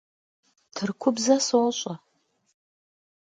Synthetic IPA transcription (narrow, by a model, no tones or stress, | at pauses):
tʰɨrkʷʰʊbzɐsolɕʼa